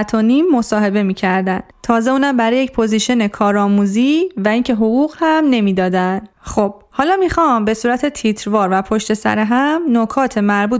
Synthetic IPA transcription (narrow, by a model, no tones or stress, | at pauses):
t̪ʰonimːo̞sɒːɦe̞be̞miːcʰæɾd̪ænd̪̥t̪ʰɒːze̞uːnæmbæɾɒːjecpʰo̞ziːʃene̞kʰɒːɾɒːmuːziːvæiːŋcʰe̞ɦoɣuːɣhæmne̞miːd̪ɒːd̪æn | xob̥̚hɒːlɒːmixɒmbe̞suːɾæt̪ʰet̪ʰit̪ʰɾvɒːɾvæpʰo̞ʃt̪e̞sæ̰ɾeɦæmnokʰɒːt̪ʰe̞mæɾbuː